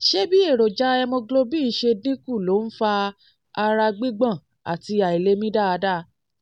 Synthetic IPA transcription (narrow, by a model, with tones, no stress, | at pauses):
ʃe˦bi˦e˦˨ɾo˨d͡ʒa˨˦ɛ˧mõ˧ɡlo˧bi˦i˦˧˦ʃe˧dnĩ˦ku˦˨lo˨˦n̩˦fa˧ | a˧ɾa˧ɡ͡bi˦ɡ͡bã˦˨ | a̰˨ti˧a˨i˨le˦mĩ˦da˦˨a˧da˦˧˦